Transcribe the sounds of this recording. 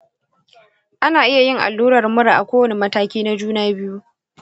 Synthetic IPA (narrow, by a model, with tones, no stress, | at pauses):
ʔa˦naː˨ʔɪ˦ja˨jɪ˦ŋʔa̰˨lːuː˦ɾɐ˨rmʊ˦ɾa˨ʔa˨kʷoː˦wɐ˦ne˨mɐ˦taː˦kʲiː˦na˦d͡ʒuː˦naː˦bɪ˦ju˦